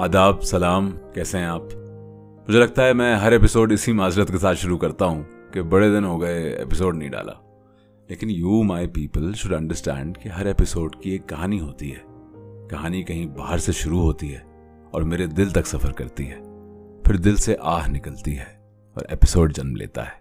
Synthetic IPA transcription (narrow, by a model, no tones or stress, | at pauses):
ɐd̪aːbsɐlaːmkɛːseɦɛ̃aːp | mʊd͡ʒʱelɐɡ̚t̪aɦɛmɛ̃ːɦɐɾepɪsoːɖɪsimaːzɪɾət̪kesaːt̪ʃʊɾukɐɾt̪aɦũkebɐɽed̪ɪnɦoːɡɐeḛpɪsoːɖnɐɦĩɖa̰ːlʔa̰ː | leːkɪnjuːmaːɪpiːpəlʃʊɖɐ̃ɳɖəɾsʈɛ̰̃ːɳɖkeɦɐɾeːpɪsoːɖkieːkːɐɦaːniɦoːt̪iɦɛːkɐɦaːnikɐɦĩbaːɦəɾseʃʊɾuɦoːt̪iɦɛː | ɔ̰ːɾmeːɾed̪ɪlt̪ɐksɐfəɾkɐɾt̪iɦɛːfɪɾd̪ɪlseʔaːɦnɪkəlt̪iɦɛː | ɔ̰ːɾḛːpɪsoːɖd͡ʒɐnmlḛːt̪a̰ɦɛː